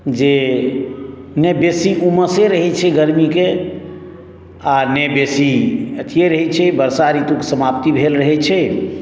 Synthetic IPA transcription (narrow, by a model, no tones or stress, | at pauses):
d͡ʒe | nɛbesiʔuməseɾəɦɛt͡ʃʰɛɡəɾmike | anebesiət̪ʰijeɾəɦɛt͡ʃʰɛbəɾsaɾit̪uksəmap̚t̪ibʱelɾəɦɛt͡ʃʰɛ